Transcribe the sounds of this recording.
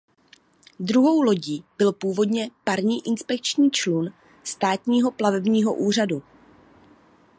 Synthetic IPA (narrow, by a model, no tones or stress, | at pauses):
dɾuɦo̞wlo̞ɟiːb̥ɪlpuːvo̞dɲɛpaɾɲiːʔɪnspɛk̚t͡ʃɲiːt͡ʃlun | st̪aːt̪ɲiːɦo̞plavɛbɲiːɦo̞̰ʔuːr̝adu